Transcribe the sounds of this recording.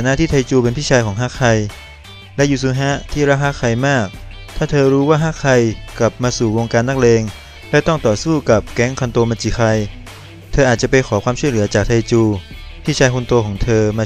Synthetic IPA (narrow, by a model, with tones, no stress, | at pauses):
a˨˩naː˧˥˨t̪ʰiː˥˩t̪ʰa˧jt͡ɕuː˧p̬e˧npʰiː˥˩t͡ɕʰaː˧jkɔː˩˦ŋɦa˦˥kʰa˧j | lɛ˦˥ʔjuː˨˩suː˧˥ɦa˦˥t̪ʰiː˥˩ɾaː˦˥kʰaː˦˥kʰa˧jmaː˥˩k̚ | t̪ʰaː˥˩t̪ʰɤː˧ɾuː˦˥waː˥˩ɦa˦˥kʰa˧jkla˨˩p̚maː˧suː˨˩wo˧ŋkaː˧nːa˦˥k̚leː˧ŋ | lɛ˦˥wt̪ɔ˥˩ŋt̪ɔː˨˩suː˥˩ka˨˩p̚kɛ˦˥ŋkʰa˧nt̪o˧maː˧t͡ɕi˨˩xʰa˧j | t̪ʰɤː˧ʔaː˨˩t̪̚t͡ɕa˨˩pa˧jkʰɔː˩˦kʰwaː˧mt͡ɕʰu˥˩lɯ˩˦ɐt͡ɕaː˨˩t̪ʰa˧jt͡ɕuː˧ | pʰiː˥˩t͡ɕʰaː˧jkʰu˧nt̪u˧kʰɔː˩˦ŋt̪ʰɤː˧maː˧